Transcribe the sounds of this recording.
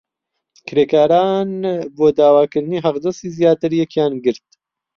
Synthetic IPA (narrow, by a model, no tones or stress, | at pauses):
kʰɾeːkaːɾaːnboːd̪aːwaːkɨɾniːɦɐqd̪ɛsiːzijaːt̪ɨɾjɛkjaːnɡɨɾt̪̚